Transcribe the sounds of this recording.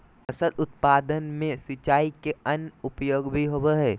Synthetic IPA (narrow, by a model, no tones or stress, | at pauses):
əsəd̪ʊt̪̚paːd̪ənmẽsɪt͡ʃaːikeɐnʊpjoːɡbʱiɦobeɦɛː